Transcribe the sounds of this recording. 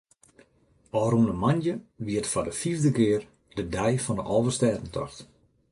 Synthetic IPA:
ɔrunəmanjəʋiətfadəfivdəkɪːər | dədɛjfɔndəʔɔvəstɛːtən̩tʰɔ̰xt

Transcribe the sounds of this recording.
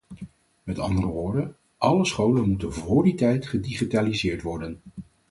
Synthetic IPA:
mɛtɑ̰ndərəʋʊːɹdən | ʔɑləsχowlənmutənvʊːɹditɛjtχədiχitaːlizɪːɹtʋɔɹdən

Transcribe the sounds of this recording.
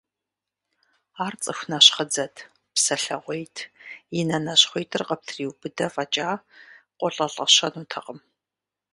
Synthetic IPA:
aːrt͡sʼɨxʷnɐɕχəd͡zɐtʰ | psɐɬɐʁʷejtʰjɪnɐnɐɕχʷɔjtʰɨrqɐp̚tʰriːwbɨdɐfʼɐt͡ʃʼaːqʷɔɬʼɐɬʼɐɕɐnuːtʰɐqʼəm

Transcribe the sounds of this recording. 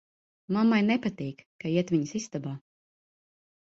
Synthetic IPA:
mamːajnɛpat̪iːkkaiɛt̪viɲsist̪abaː

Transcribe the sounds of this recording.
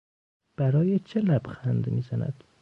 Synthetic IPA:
b̥æɾɒːjet͡ʃʰelæb̥xænd̪miːzænæ̰d̪̥

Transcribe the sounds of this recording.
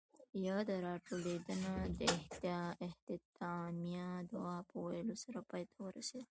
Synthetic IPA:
jɑd̪əɾɑʈoled̪ənad̪əɪht̪jɪht̪ɪt̪ɑmijad̪awɑpəwajəlosaɾapɑjt̪ʰawəɾa̰sed̪

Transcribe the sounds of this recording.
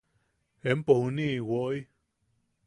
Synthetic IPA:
empohunĩwoʔj

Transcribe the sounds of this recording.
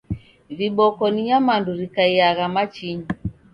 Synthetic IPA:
viɓɔkɔniɲamanduɾikaiaɣamat͡ʃiɲi

